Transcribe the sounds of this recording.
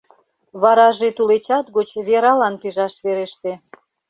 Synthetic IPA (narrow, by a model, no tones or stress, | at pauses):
βɑɾɑʒet̪ulet͡ɕɑt̪ɣot͡ɕβeɾɑlɑnpiʒɑʃβeɾeʃt̪e